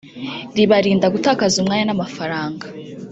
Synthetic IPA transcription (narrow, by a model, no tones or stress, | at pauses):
ɾiβaɾiːndaɡutaːkazumŋaːɲanamafaɾaːŋɡa